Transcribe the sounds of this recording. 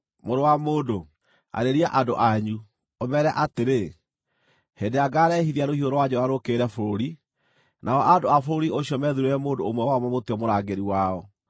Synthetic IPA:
moɾowamoːdo | a̰ɾeɾiaʔadoʔaɲu | omɛɾɛaʔateɾe | hendeaɡaːɾɛhiðiaɾohioɾɔwad͡ʑɔɾaɾokeɾɛfoɾoɾi | naɔʔadoafoɾoɾioɕiɔmɛðuɾeɾɛmoːndoomwɛwamwɛmoteɔmoɾaɡeɾiwaɔ

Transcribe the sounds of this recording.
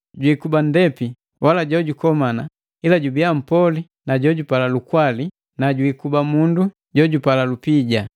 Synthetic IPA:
ɟwikubandɛpi | wʔalaɟɔɟukɔmana | ilaɟubiam̩pɔli | naɟɔɟupalalukwali | naɟwiːkubamundu | ɟɔɟupalalupiɟa

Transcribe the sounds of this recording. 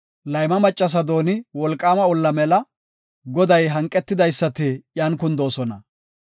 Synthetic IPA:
lɐjmɐmɐt͡ʃʼːɐs̬ɐd̪o̞ːnɪwɔlkʼːaːmɐɔlːɐmɛlɐ | ɡɔd̪ɐjɦɐŋkʼːɛt̪ːɪd̪ɐjsːɐt̪ɪjaːnkʊnd̪o̞ːsɔnɐ̰

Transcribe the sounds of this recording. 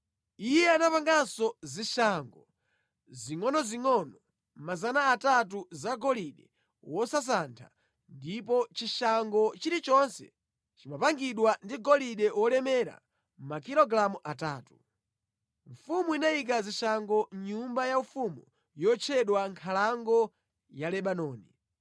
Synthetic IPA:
ijɛanapaŋɡansɔziʃaŋɡɔ | ziŋɔnɔziŋɔnɔ | mazanaːtat̬uzaɡɔliɗɛ | wɔsas̬antʰa̰ | ndip̬ɔt͡ʃiʃaŋɡɔt͡ʃiɾit͡ʃɔnsɛ̰ | t͡ʃimapaŋɡiɗwandiɡɔliɗɛwɔlɛmɛɾa̰ | makilɔɡɾamuʔataːtu | ɱfumuinajik̬aziʃaŋɡɔɲumbajaufumu | jɔt͡ʃʰɛɗwaŋkʰalaŋɡɔ | jalɛɓanɔːni

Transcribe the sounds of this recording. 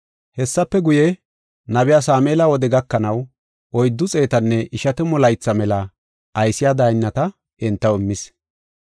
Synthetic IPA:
hɛsːɐpːɛɡʊjɛ | nɐbɪjaːs̬aːmeːlɐwɔd̪ɛɡɐkːɐnɐw | ɔjd̪ːʊt͡sʼe̞ːt̪ɐnːɛʔɪʃɐt̪ɛmɔlɐjt͡sːɐmɛlɐ | ɐjsɪjaːd̪ajnːɐt̪ɐ | ɛnt̪ːɐwɪmːɪs

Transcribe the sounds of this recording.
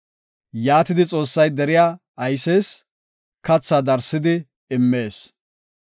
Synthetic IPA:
jaːt̪ɪd̪ɪt͡sʼo̞ːsːɐjd̪ɛɾɪjaː | ɐjseːs | kɐt͡sːad̪ɐɾsːɪd̪ɪ | ɪmːe̞ːs

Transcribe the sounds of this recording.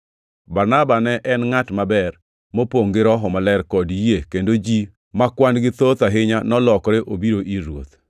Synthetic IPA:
baɾnabanɛʔɛnŋatmabɛr | mopoŋɡɪɾɔɦɔmalɛrkɔdjekendod͡ʒi | makwanɡɪt̪ot̪aɦɪɲanɔlɔkɾɪʔobiɾoʔiɾwo̰t̪

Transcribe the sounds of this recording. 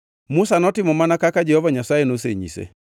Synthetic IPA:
musanɔtɪmɔmanakakad͡ʒɛhɔvaɲasaenoseɲḭsɛ̰

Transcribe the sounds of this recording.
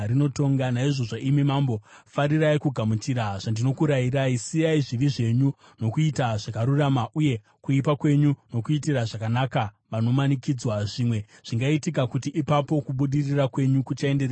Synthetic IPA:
rino̞to̞ŋɡanaiʐo̞ʐaʔimimambo̞faɾiraikuɡʱamut͡ʃiɾaʐ̥andino̞kuɾajiɾaisijaiʐiʋiʐe̞ɲu | no̞kuitaʐ̥akaɾuramaʔuje̞ | kuipakwe̞ɲuno̞kuitiraʐakanaka | ʋano̞manikid͡zwaʐimwe̞ʐ̥iŋɡaitikakutiʔipapo̞kuɓuɗirirakwe̞ɲukut͡ʃaendere

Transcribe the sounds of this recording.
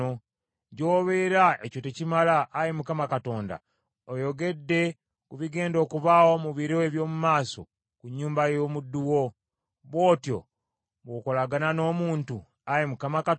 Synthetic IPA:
o | ɟo̞ːβe̞ɾaecotecimalaːjemukamakato̞ːnda̰ | ojo̞ɡe̞dːe̞ | kuβiɡe̞ːndo̞ːkuβawo̞muβiɾoeβjo̞ːmumaːso̰ | kuɲːuːmbajo̞ːmudːuwo | βwo̞ːtjo̰ | βwoko̞laɡanano̞ːmuːntu | ajemukamaka

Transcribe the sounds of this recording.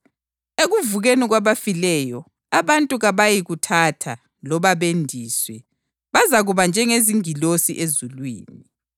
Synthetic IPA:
eɣuvuɣeniɣwaβafilɛjɔ | aβantʼuɣaβajiɣutʰatʰa | lɔβaβendʱiːswɛ | βazaɣuβand͡ʒʱɛŋeziŋilosiʔezulwḭːni

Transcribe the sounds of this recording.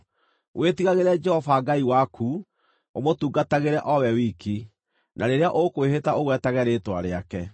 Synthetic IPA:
wʔetiɣaɣeɾɛd͡ʒɛhɔfaɡaiwakʰu | omotuːɡataɣeɾɛʔɔwɛwiːki | nʔaɾeɾeaʔokoweɦetaʔoɣwɛtaɣɛɾeːtwaɾeakɛ

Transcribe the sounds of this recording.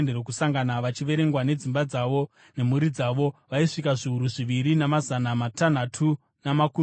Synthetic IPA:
nderokusaŋɡanaʋat͡ʃiʋe̞ɾe̞ŋɡwane̞d͡zimbad͡zaʋo̞ | ne̞muɾid͡zaʋo̞ʋaiʂikaʐiɦuɾuʐiʋiɾinamazanamatan̤atʰu | namaku

